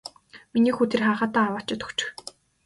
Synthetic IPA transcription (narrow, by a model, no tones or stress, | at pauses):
miniːxuːt̪ʰerχaːχaːt̪aːwə̆ːt͡ɕɪ̆t̪ʰɵ̥kt͡ɕɪ̆x